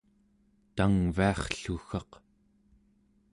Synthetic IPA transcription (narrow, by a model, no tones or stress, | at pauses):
t̪aŋviɑχɬuxɑq